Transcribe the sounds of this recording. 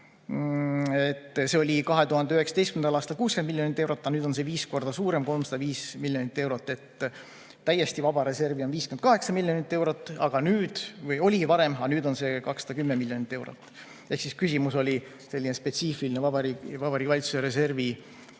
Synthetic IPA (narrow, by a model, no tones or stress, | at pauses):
et̪ːse̞olʲikɑɦe̞t̪uhɑnd̪eyhe̞ksɑ̥t̪est̪kmnd̪ɑlɑːst̪ɑlkuːskenmilːjonit̪ːˑewɾo̞t̪ːˑɑnyːd̪̥o̞nse̞viːsko̞rd̪̥ɑsuːɾe̞mko̞lmsɑd̪ɑviːsmiljo̞nit̪ːe̞wɾo̞t̪ːˑe̞t̪ː | æjːe̞st̪ivɑb̥ɑɾe̞se̞rvionviːskenkɑɦe̞ksɑmilʲːjo̞nit̪ˑːe̞wɾo̞t̪ːˑɑɡ̥ɑnyːd̪̥vɯjo̞lʲivɑɾe̞mɑnyːd̪o̞nse̞kɑksɑd̪̥ɑkymːemiljo̞nit̪ːˑe̞wɾo̰t̪ːˑ | ehksiskysimuso̞lʲi | se̞lːinespe̞t̪siːfilinevɑbɑɾivɑbɑɾikːɑlʲit̪suseɾe̞se̞rvi